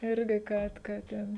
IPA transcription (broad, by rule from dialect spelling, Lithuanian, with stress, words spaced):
ˈɪrʲɡʲɪ ˈkɐt kɐ ˈtʲɛn